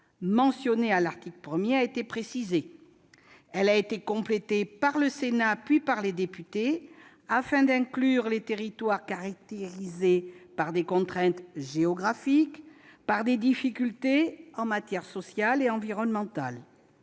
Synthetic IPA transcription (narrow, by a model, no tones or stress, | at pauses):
mɑ̃sjɔnealaʁt̪ikləpχəmjeaet̪epχesize | ɛlaet̪ekɔ̃plet̪epaʁləsenapɥipaʁled̪epyt̪e | afɛ̃d̪ɛ̃klyʁlet̪eʁit̪waʁkaʁak̚t̪eʁizepaʁd̪ekɔ̃t̪χɛ̃t̪ʒeɔɡʁafikpaʁd̪ed̪ifikʲylt̪eɑ̃mat̪jɛʁsɔsjaleɑ̃viʁɔnmɑ̃t̪a̰l